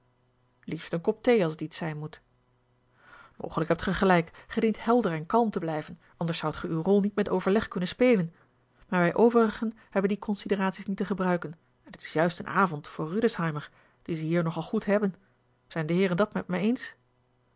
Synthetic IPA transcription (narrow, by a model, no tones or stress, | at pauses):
liftənkɔp̚tejɑlˠsətitsɛjnmut | mo̰wχələkɦɛp̚tχəχəlɛjkχədintɦɛlˠdəɹɛnkɑlˠmtəblɛjvənʔɑndəɹsɑwtχəywrɔlˠnitmɛtowvəɹlɛχkɵnənspeːlən | maːɹʋɛjʔowvərəχən | hɛbəndikɔnsidəraːtsisnitəχəbrœɥkən | ɛnətɪ̥sjœɥstə̰nʔaːvɔntfʊːɹːydəshɑjməɹ | d̥izəɦiːɹnɔχɑlˠχutɦɛbən | z̥ɛjndəɦɪːɹɾɛndɑtmɛ̰t̚mɛjejns